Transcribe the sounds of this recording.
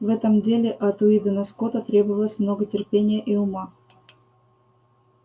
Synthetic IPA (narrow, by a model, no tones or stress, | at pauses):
vɛt̪əmdʲelʲɪʔɐt̪ʊid̪ənɐskot̪ət̪ɾʲebəvəlˠəsʲmnoɡətʲɪrpʲenʲɪjəʔiʊmɑ